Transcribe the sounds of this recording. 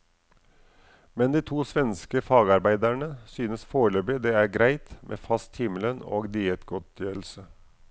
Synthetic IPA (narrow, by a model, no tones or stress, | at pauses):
mɛnd̪iːt̪ʰuːsʋɛnskəfɑːɡɑɾbæɪd̪æɳəsyːnəsfoːɭøːbɪd̪eːæːɾɡɾæɪt̪mʔḛːfɑst̪hɪmələno̰ːɡd̪iːət̪ɡɔt̪jøːɾl̩sə